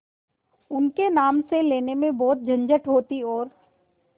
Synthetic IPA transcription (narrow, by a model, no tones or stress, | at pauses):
ʊnkenaːmseleːnemẽbɔːt̪̚d͡ʒʱɐ̃ɲd͡ʒəʈɦoːt̪iɔːɾ